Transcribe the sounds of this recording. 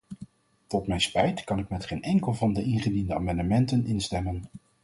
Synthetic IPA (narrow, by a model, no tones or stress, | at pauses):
tɔtmɛjnspɛjtkɑnɪkmɛtχejnɛŋkəlˠvɑndəʔɪnχədindəaːmɑndəmɛntənɪnstɛmən